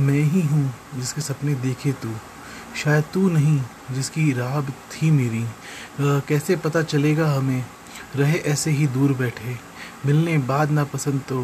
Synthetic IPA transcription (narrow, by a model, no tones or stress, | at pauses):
mɛ̃ːɦiɦũ | d͡ʒɪskesɐpned̪eːkʰet̪uː | ʃaːjəd̪̚t̪uːnɐɦĩ | d͡ʒɪskiɾaːbt̪ʰimeːɾi | kɛːsepɐt̪at͡ʃɐleːɡaɦɐmẽː | ɾɐɦeʔɛːseɦid̪uːɾbɛːʈʰeː | mɪlnebaːd̪napɐsə̃nd̪̚t̪o